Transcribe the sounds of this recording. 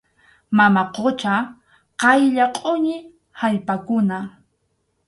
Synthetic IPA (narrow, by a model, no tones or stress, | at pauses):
mamaqot͡ʃa | qɑjʎaqʼoɲɪ | haʎpakʊna